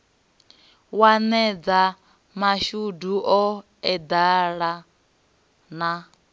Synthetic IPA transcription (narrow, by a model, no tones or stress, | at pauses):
wanɛd͡za | maʃuduʔɔ | ɛd̪aɺa | na